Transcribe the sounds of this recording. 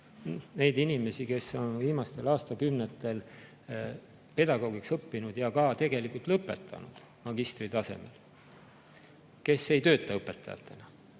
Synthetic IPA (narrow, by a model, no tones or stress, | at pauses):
nne̞jd̪inʲime̞sike̞so̞nviːmɑst̪e̞lɑːst̪ɑkymnet̪ːˑel | pe̞d̪ɑɡ̥o̞ːɡiksɤpːinud̪̥jɑkɑt̪e̞ɡ̥e̞likult̪lɤpːˑe̞̰t̪ʰːˑɑ̰nud̪̥ | mɑɡist̪rit̪ɑse̞̰me̞̰l | ke̞sːe̞jt̪ø̞ːt̪ːˑɑɤpːˑet̪ːˑɑ̰jɑ̰t̪ːˑe̞nɑ